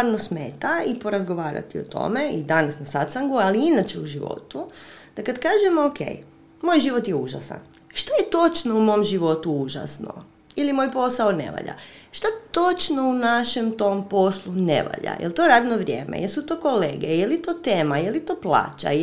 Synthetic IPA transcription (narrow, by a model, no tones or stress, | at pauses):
aɾnosmeːt̪aipo̞ɾazɡoʋaːɾa̰t̪iot̪o̰me̞id̪anasnasat̪saŋɡualiinat͡ʃeuʒiʋo̞̰t̪ud̪̥akad̪kaːʒemokḛj | mo̞jʒiːʋot̪jeuʒasa̰n | ʃt̪ajet̪o̞t͡ʃno̞umo̞mʒiʋo̞t̪uuʒa̰sno̰ | ilimo̞jpo̞saone̞̰ʋa̰ʎa̰ʃt̪at̪o̞t͡ʃno̞unaʃe̞mt̪o̞mpo̞slˠunḛʋa̰ʎa̰jʔḛlˠt̪o̞ɾaːd̪no̞ʋɾʲjeːmʔḛjelsut̪o̞ːko̞leːɡejelit̪oːt̪eːmajelit̪o̞ːplˠa̰ːt͡ʃa̰